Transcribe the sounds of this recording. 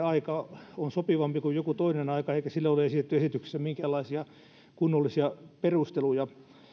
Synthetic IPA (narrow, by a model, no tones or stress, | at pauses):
ɑikɑonsopiʋɑmpikujokut̪oinenɑikɑeikæsilːæoleesit̪et̪ːyesit̪yksi̥sːæmiŋkæːlːɑisiɑ | kunːolːisiɑperust̪elujɑ